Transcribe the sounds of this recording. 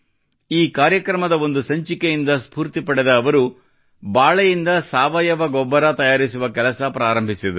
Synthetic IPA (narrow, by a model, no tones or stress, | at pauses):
iːkaːɾjɐkɾɐmɐd̪ɐo̞nd̪usɐɲt͡ʃikejind̪ɐspuːɾt̪ipɐɽɛd̪ɐːʋɐɾu | baːɭɐjind̪ɐsaːʋɐjɐʋɐɡɔbːɐɾɐt̪ɐjaːɾisuʋɐkɛlɐsɐpɾaːɾɐmbʱisid̪u